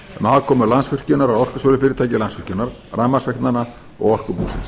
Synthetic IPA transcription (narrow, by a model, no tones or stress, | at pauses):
maːðkʰɔːmʏlansfʏr̥cʏnaɾaðɔr̥kʏsɔːlɪfɪːɾɪt̪ʰaːjcɪlansfʏ̥cʏnaɾ | raːmasvɛht̪nana | ɔ̰ɣɔr̥kʏpuːsɪ̰ns